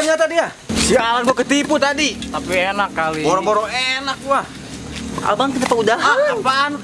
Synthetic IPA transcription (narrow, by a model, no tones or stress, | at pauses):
əɲat̪adia | sialanɡuakət̪iput̪adit̪apienakːaliboɾɔboɾoenak̚ɡua | a̰lbaŋkit̪apaudaɦaapaːnu